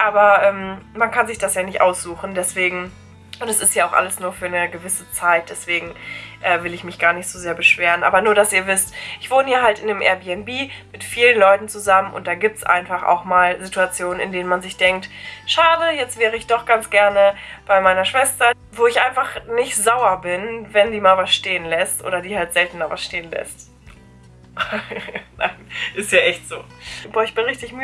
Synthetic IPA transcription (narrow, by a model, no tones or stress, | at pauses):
ʔaːbɐʔɛːmmankʰanzɪçd̥asjaːnɪçtʔa̰ʊsz̥uːxn̩dɛsv̥eːɡŋ̩ | ʔʊntɛsɪstjaːaʊxʔa̰ləsnuːɐfyːɐnəɡəvɪsət͡saɪt̚d̥ɛsv̥eːɡŋ̩ʔɛːvɪlɪçmɪçɡ̥aːɐnɪçtz̥ozeːɐbəʃv̥eːʁənʔa̰ːbɐnuːɐɾasiːɐvɪstʔɪçv̥oːnəjaːɦaltʔɪnəmʔɛ̰ɐbiːɛnbiːmɪtfiːlənlɔʏtn̩t͡suzamənʔʊ̰ntd̥aːɡiːp̚tsʔa̰ɪnfaχa̰ʊxmaːlzituat͡sjoːnənɪ̰ndeːnənmanzɪçd̥ɛŋk̚tʃaːdəjɛt͡stv̥ɛːʁəɪçd̥ɔχɡ̥ant͡sɡ̥ɛɐnəb̥aɪmaɪnɐʃv̥ɛstɐ | voːɪçʔaɪnfaχnɪçtz̥aʊɐbɪnvɛndiːmaːlvasʃteːənlɛstʔo̰ːɾɐdiːhaltz̥ɛltn̩maːvasʃteːənlɛ̰st | na̰ɪnʔɪstjaːʔɛçtz̥oː | b̥ɔːɐɪçb̥ɪnʁɪçtɪçmy